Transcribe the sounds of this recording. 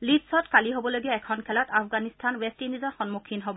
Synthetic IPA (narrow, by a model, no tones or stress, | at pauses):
litsɔtkaliɦobɔloɡiɛɛkʰɔnkʰɛlɔtapʰɡanistʰanwɛstinizɔɹxɔnmukʰinɦobɔ